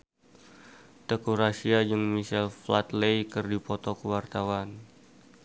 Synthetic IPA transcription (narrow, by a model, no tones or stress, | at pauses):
dekuɾasiad͡ʒəŋmisɛlfla̰t̪lejkərdipɔt̪ɔkəwart̪awan